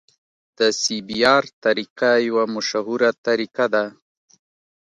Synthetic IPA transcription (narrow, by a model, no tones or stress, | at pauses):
d̪̥əsibiɑɾt̪aɾikajawamʊʃaɦuɾat̪aɾikad̪a